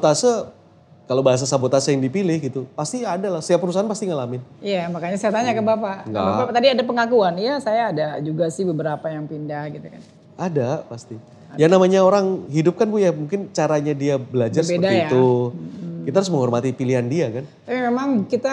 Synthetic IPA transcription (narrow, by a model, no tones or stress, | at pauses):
bot̪asa | kalobaɦas̬asabot̪asəjaŋdipilɪhɡit̪upast̪iadalahsəjapəɾus̬aɦanpast̪iŋalamɪnijamakaɲasajat̪aɲakəbapaʔŋŋɡa̰baat̪adiadapəŋakuanjasajaːdad͡ʒuɡasɪhbəbəɾapajaŋpindahɡit̪ukan | adapast̪i | janamaɲaoɾaŋɦidʊp̚kanbujamuŋkɪnt͡ʃaɾaɲadiabəlad͡ʒarsəədaiiat̪u | kit̪aɾʊs̬məŋɦɔrmat̪ipiliɦandiakant̪apimemaŋkit̪a